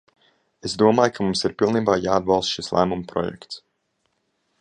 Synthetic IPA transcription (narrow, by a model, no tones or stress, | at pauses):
ezd̪uɔmaːjkʰamumsiɾpilˠniːbaːjaːd̪̚balˠst̪ʃislˠʔæ̰ːmumpɾɔ̰jɛ̰kt̪s